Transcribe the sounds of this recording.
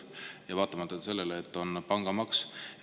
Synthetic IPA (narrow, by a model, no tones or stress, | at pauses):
jɑvɑːt̪ːˑɑmɑt̪ːˑɑse̞lːe̞leet̪ːˑo̞npɑŋɡ̥ɑmɑks